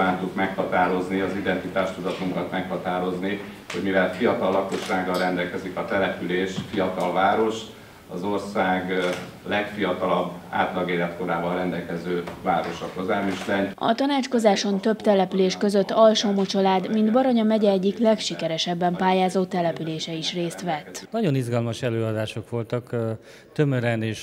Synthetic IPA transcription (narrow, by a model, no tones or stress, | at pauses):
aːnt̪uk̪mɛkhɒt̪aːɾo̞zniɒzid̪ɛnt̪it̪aːʃt̪ud̪ɒt̪uŋkɒt̪mɛkhɒt̪aːɾo̞zni | ho̞ɟmivɛlfijɒt̪ɒlːɒko̞ʃaːɡɒlrɛnd̪ɛlkɛzikɒt̪ɛlɛpyleːʃfijɒt̪ɒlvaːɾo̞ʃt̪ | ɒzo̞rsaːɡ | lɛkfijɒt̪ɒlɒbːa̰ːt̪lɒɡeːlɛt̪ko̞ɾaːbɒlrɛnd̪ɛlkɛzøːvaːɾo̞ʃɒkozaːmiʃlɛnɒ̰t̪ɒnaːt͡ʃko̞zaːʃo̞nt̪øbt̪ɛlɛpyleːʃkøzøt̪ːɒlʃoːmot͡ʃɒlaːd̪mind̪bɒɾoɲɒmɛɟɛɛɟːiklɛkʃikɛɾɛʃɛbːɛmpaːjaːzoːt̪ɛlɛpyleːʃɛiʃreːst̪ʋɛt̪ːnɒɟonizɡɒlmɒʃɛløːɒd̪aːʃokʋo̞lt̪ɒk | t̪ømøɾɛneːʃ